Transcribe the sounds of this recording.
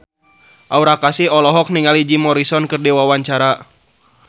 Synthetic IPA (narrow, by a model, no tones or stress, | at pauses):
ʔauɾakasiɔlɔɦɔk̚niŋalid͡ʒimɔɾisɔnkərdiwawaɲt͡ʃaɾa